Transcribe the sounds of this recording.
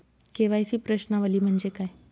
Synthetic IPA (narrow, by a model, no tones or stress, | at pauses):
keʋajsiːpɾəɕnaʋəliːm̤əɳd͡zekaj